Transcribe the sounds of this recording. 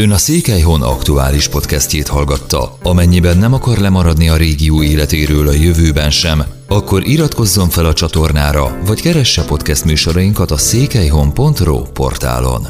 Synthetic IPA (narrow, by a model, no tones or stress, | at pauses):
ønɒseːkɛjɦo̞nɒ̰kt̪ua̰ːliʃpo̞t̪kɛstceːt̪hɒlɡɒt̪ːɒ̰ɒmɛɲːibɛnːɛmɒkɒrlɛmɒɾɒd̪niɒɾeːɡijuːeːlɛt̪eːɾøːlɒjøvøːbɛnʃɛm | ɒkːo̞ɾʔiɾɒt̪ko̞zːo̞ɱfɛlɒt͡ʃɒt̪o̞rnaːɾɒ̰vɒckɛɾɛʃːɛːpo̞t̪kɛst̪myːʃo̞ɾɒjiŋkɒt̪ɒseːkɛjɦo̞mpo̞nt̪ro̰ːpo̞̰rt̪a̰ːlo̞̰n